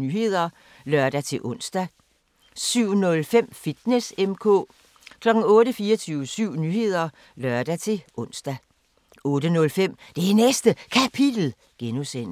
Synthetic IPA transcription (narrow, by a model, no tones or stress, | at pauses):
nyɦe̝ð̰ˠɐ | lɶɐd̥æt͡sʰe̝ʔɔ̽n̰sd̥æ | syʊ̰nɔ̽lfem̰fid̥nesemkʰɔ̰̽ː | kʰlɒ̽ɡ̥ŋ̩ɔ̽ːɾəfiːɐt͡sʰyːʊəsyʊ̰nyːhe̝ð̞̰ˠɐ | lɶɐd̥æt͡sʰe̝lɔ̽n̰sd̥æ | ɔ̽ːd̥ənɔ̽lfem̰d̥e̝ænesd̥əkʰæpʰid̥l̩ | ɡ̥enusen̰